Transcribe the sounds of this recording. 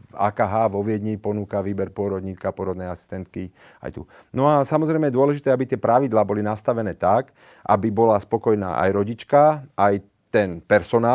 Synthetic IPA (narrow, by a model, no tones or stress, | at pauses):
a̰ːkaɦaʋɔʋɪɛd̪ɲiːpɔnuːkaʋiːbɛɾpʊɔɾɔd̪ɲiːt͡skapʊɔɾɔd̪nɛjasi̥st̪ɛnt̪ki | a̰jt̪ṵ | nɔasamɔzɾɛjmɛjɛd̪ʊɔlɛʒit̪ɛabit̪ɪɛpɾaʋid̪laːbɔlinast̪aʋɛnɛːt̪ak | ʔa̰bibɔlaspɔkɔjna̰ːʔa̰jɾɔɟit͡ʃkaʔaj | t̪ɛnpɛɾsɔnaː